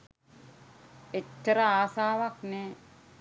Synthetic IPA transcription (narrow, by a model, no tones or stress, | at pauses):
etːəɾaaːsaːʋakne